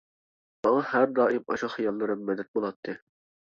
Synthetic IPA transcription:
mɑŋɑhæɾd̪ɑːʔimɑ̰ʃɑχijɑlˠːɨɾɨmːɛd̪ɛt̪̚bolˠɑt̪ʰːɨ

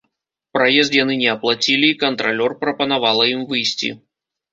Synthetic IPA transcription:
pɾajɛzt̪janɨnʲɛɐplˠat͡sʲilʲiːkɐnt̪ɾalʲɔrpɾɐpɐnavalˠɐimvɨjsʲtʲḭ

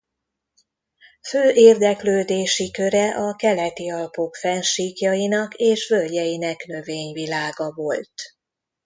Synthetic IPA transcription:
føːʔeːrd̪ɛkløːd̪eːʃikø̞ɾɛʔɒkɛlɛt̪iɒlpo̞kfɛnʃiːkjɒjinɒkeːʃvølɟɛjinɛkn̪ø̞veːɲvilaːɡɒvo̞lt̪

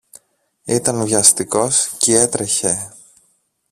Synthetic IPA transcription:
it̪ɐnvʝɐst̪iko̞scee̞t̪ɾe̞çe̞

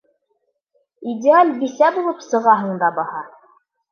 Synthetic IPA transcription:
idʲɪalʲbisæbulˠɤpsɤ̆ʁɑɦɤɴd̪ɑbɑhɑ

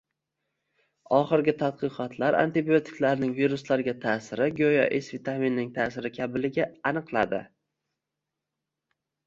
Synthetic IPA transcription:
ɒχɨɾɡʲɪt̪ʰat̪̚qʰɨqʰɒt̪ʰlaɾa̰nt̪ɪbiot̪ʰɪ̥kʲlaɾnɪŋviɾʊslaɾɡʲat̪ʰaːsɪɾɪɡʲojɒ̰ʔesvit̪ʰaminːɪŋt̪ʰaːsɪɾɪkʲʰabɪlɪɡʲaːnɨqlˠad̪ɪ̰

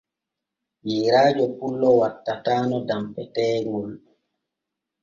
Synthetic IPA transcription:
jiːɾaːd͡ʒɔpulːɔwatːataːnɔdampɛtɛːŋɡɔl

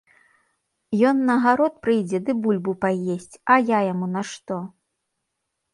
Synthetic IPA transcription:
jɔnːɐɣaɾɔt̪̚pɾɨjd͡zʲɛd̪ɨbulʲbupajesʲt͡sʲɐjajamunɐʂt̪ɔ

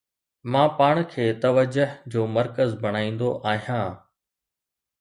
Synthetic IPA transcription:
mãːpaːɽ̃kʰeːt̪ɐʋəd͡ʑʊɦd͡ʑoːmɐɾkəzbʱɐɽ̃aːĩːn̆d̪oʔaːɦijãː

